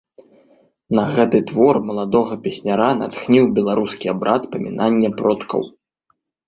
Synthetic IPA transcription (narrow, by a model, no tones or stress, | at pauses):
nɐɣɛt̪ɨt̪vɔrmɐlˠad̪ɔɣɐpʲɛsʲnʲaɾana̰t̪xnʲiwbʲɛlˠaɾuskʲiabɾʔat̪pɐmʲḭnanʲːɛpɾɔt̪kʰɐ̰w